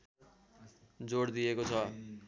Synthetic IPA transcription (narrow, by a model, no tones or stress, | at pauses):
d͡zoɽd̪iekot͡sʰʌ